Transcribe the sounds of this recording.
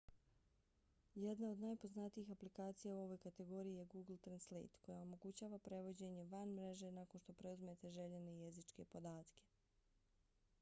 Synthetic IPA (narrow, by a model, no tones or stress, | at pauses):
jed̪nao̞d̪najpo̞znat̪iixaplikaːt̪sijauo̞ʋo̞jkat̪e̞ɡo̞ɾijije̞ɡuːɡl̩ˠt̪ɾanslḛt̪ko̞jao̞mo̞ɡut͡ɕaːʋapɾe̞ʋo̞d͡ʑe̞ɲeʋanmɾe̞ʒe̞nako̞nʃt̪o̞pɾe̞uzmet̪e̞ʒe̞ʎene̞ijezit͡ʃke̞po̞d̪aːt̪ke̞̥